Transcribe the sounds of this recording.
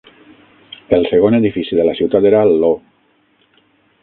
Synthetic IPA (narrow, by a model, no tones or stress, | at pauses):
elˠseɣ̞oneðifisiðelasiwt̪at̪eɾalːo